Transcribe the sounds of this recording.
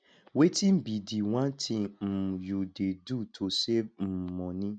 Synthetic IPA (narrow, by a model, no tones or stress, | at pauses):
wetim̩bidiw̃ãtʰim̩judedutʰosem̩mɔ̃nĩ